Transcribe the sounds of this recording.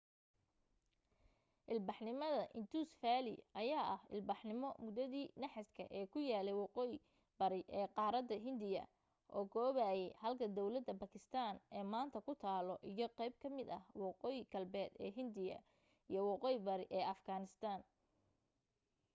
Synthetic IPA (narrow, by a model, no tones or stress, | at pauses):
ʔɪlbɑħnɪmɐðɐʔɪnt̪ʰuːsfaːlɪ̰ʔɐjaːʔɐhɪ̰lbɑħnɪmɔmʊd̪ɐðiːnɐħɪskʰɐ̰ʔɛːkʰʊjaːlɛjwɑqɔːjɪ | bɐɾɪʔɛːqɑːɾɐd̪ːɐɦɪnd̪ɪjɐ̰ | ʔɔːɡɔːβaːjɛjhɐlkʰɐd̪ɔwlɐd̪ɐbɐkʰɪst̪ʰaːnɛːmaːnt̪ʰɐkʰʊt̪ʰaːlɔʔijɔqɛjb̚kʰɐmɪd̪ɐhwɑqɔːjɪɡɐlbɛːd̪ɛːɦɪnd̪ɪjɐ̰ | ijɔwɑqɔːjɪbɐɾɪʔɛːɐfɡaːnɪst̪ʰaːn